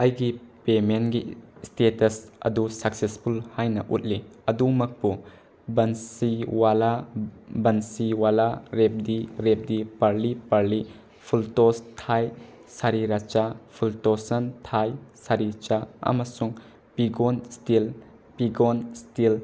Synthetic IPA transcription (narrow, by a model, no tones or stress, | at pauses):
ɐjɡipemenɡistetɐsɐ̰dusɐksespʰulhajnɐʔut̚liɐdumɐk̚pu | bɐnsiwalabɐnsiwalaɾep̚diɾep̚dipɐɾlipɐɾli | pʰultɔstʰaj | saɾiɾat͡ʃapʰultɔsɐntʰajsaɾit͡ʃaa̰mɐsuŋ | piɡɔnstil | piɡonstil